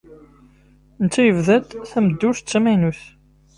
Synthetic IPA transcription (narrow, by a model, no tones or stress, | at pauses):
nət͡s̪ːæjəvðæt̪θæməd̪ːuʃt͡sːæmænuθ